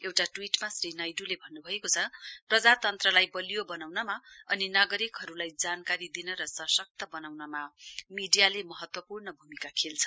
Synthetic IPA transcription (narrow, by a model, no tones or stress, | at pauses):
ewʈaʈwiʈmasrinajɖulebʱʌnːubʱʌekot͡sʰʌprʌd͡zat̪ʌnt̪rʌlajbʌlijobʌnawnʌmaʌninʌɡʌɾikɦʌɾulajd͡zankaɾid̪inʌɾʌsʌsʌk̚t̪ʌbʌnawnʌmamiɖijalemʌɦʌt̪wʌpurnʌbʱumikakʰelt͡sʰʌ̥